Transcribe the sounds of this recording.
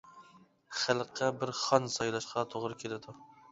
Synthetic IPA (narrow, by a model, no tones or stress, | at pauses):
χælˠqʰːɑbɪɾχɑnsɑjlˠɑʃqʰɑt̪ʰoʁɾɨkʲʰelɪd̪u